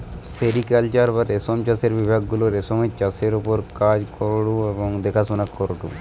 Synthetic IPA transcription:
seɾikalt͡ʃaɾbaɾesomt͡ʃaseɾbibʱaɡːuloɾesɔmet͡ʃaseɾupɔɾkad͡ʒkɔɾɽuebɔŋd̪ekʰasunakʰːɔɾuʈṵ

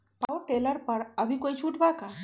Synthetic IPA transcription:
pawoʈeləɾpəɾəbʱikojt͡ʃʰuʈbaka

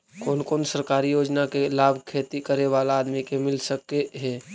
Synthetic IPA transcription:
koːnkoːnsəɾkaːɾijoːd͡ʒnakelaːbʱkʰeːt̪ikəɾeʋalaːd̪mikemɪlsəkːeɦɛ

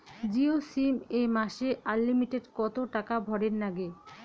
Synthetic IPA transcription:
d͡ʑiosimemaʃeʔaɾːimiʈeɖkɔt̪oʈakabʱɔɽeɾnaɡe

